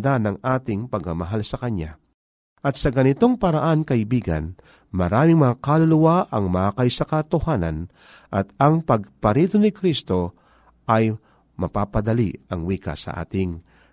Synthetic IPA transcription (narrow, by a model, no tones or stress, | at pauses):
d̪anɐŋʔaːt̪ɪŋpɐɡɐmɐɦalsɐkɐnja̰ | ʔɐt̪̚sɐɡɐnɪt̪o̞ŋpɐɾɐʔankɐɪbiːɡɐ̰n | mɐɾaːmɪŋmɐŋakalʊlʊwaʔɐŋmaakɐjsɐkɐt̪ʊhaːnɐn | ʔɐt̪̚ɐŋpɐɡ̚pɐɾiːt̪onɪkɾist̪o̞ | ʔɐj | mɐpapɐd̪ɐliɐŋwiːka̰sɐ̰ʔa̰ːt̪ɪŋ